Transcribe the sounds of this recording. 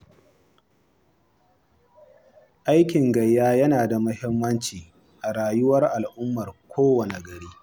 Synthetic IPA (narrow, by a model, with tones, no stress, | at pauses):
ʔa˦jkʲɪ˨ŋɡɐ˨jːaː˦jɐ˦naː˨da˨mɐ˦hɪ˦mːɐ˦nt͡ʃiː˨ | ʔa˨ɽaː˨jʊ˦wɐ˦rʔa˨lʔʊ˦mːɐ˨rkʷʰoː˦wɐ˨ne˨ɡɐ˨ɽiː˦